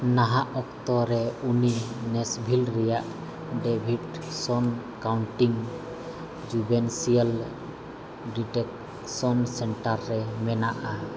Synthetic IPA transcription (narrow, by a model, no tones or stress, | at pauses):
naɦaʔɔkt̪ɔɾɛuninɛsbʱilɾɛjaʔ | ɖɛbʱiʈsɔn | kawɳʈiŋ | d͡ʒubɛnsial | ɖiʈɛk | sɔnsɛɳʈaɾːɛmɛnaʔa